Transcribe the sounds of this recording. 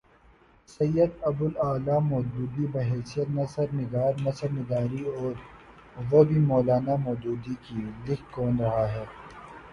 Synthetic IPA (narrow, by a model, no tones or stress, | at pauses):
sɐjːəd̪ɐbʊlaːlamɔːd̪uːd̪ibɐɦɛːsijət̪nɐsəɾnɪɡaːɾnɐsəɾnɪɡ̪aːɾiɔːɾ | ʋobʱimɔːlaːnamɔːd͡ʒ̪uːd̪ikilɪkkɔːnɾɐɦaɦɛː